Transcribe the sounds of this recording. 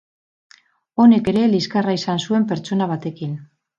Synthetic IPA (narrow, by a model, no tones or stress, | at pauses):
o̞ne̞ke̞ɾe̞liskaraisansue̞mpe̞ɾt͡ʃo̞naβ̞at̪e̞kin